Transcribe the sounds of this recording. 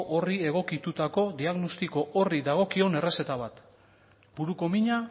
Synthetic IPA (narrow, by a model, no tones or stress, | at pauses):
ʔorie̞ɣ̞o̞kit̪ut̪ako̞d̪iaɣno̞st̪iko̞ʔoriðaɣ̞o̞kio̞ne̞re̞se̞t̪aβ̞at̪ | buɾuko̞miɲa